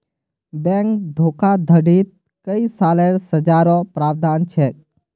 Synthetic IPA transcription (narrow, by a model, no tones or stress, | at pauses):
bɛ̃ŋkd̪ʱoːkad̪ʱəɖiːt̪̚ | kəisaːleːɾsəd͡ʒaːɾɔ̃pɾaːʋd̪aːnt͡ʃʰeː